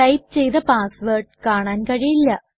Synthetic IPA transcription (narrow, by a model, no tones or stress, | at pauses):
ɐjp̚t͡ɕe̞jt̪ɐpaːsʋerʈkaːɳaːnkɐɻijilːɐ